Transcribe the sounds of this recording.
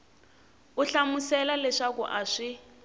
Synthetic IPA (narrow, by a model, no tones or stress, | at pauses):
uɬamusɛlalɛʂakuʔaʂi